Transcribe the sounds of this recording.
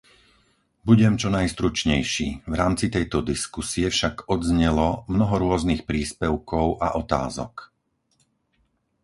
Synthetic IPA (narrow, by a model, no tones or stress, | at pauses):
buɟɛmt͡ʃɔnajst̪ɾut͡ʃɲɛjʃiːvɾaːmt͡sit̪ɛjt̪ɔd̪iskusiɛfʃaɡɔd̪zɲɛlɔmnɔɦɔɾʊɔznixpɾiːspɛʊkɔʊʔa̰ʔɔt̪a̰ːzɔ̰k